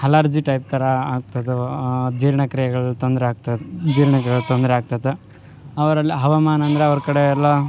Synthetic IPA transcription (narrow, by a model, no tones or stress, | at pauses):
hɐlaːɾd͡ʒiʈɐjp̚t̪ɐɾɐaːɡ̚t̪ɐd̪ed͡ʒiːɾɳɐkɾijɐɡɐɭt̪ond̪ɐɾeaːɡ̚t̪ɐd͡ʒiːɾɳɐkɡɐɭut̪ond̪ɾeaːɡ̚t̪ɐd̪e | ɐʋɐɾɐlːiɦɐʋamaːnɐnd̪ɾeɐʋɐɾkɐɽeɾlo